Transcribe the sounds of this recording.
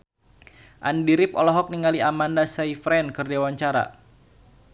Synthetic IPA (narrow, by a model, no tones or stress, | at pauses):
ʔandiɾɪfɔ̰lɔɦɔk̚niŋaliamandasaifɾɛnkɨrdewaɲt͡ʃaɾa̰